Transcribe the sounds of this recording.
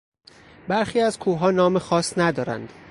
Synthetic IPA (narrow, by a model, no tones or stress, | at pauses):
bæɾxiːæzkʰuːɦɒːnɒːmexɒːsnæd̪ɒːɾæ̰nd̪̥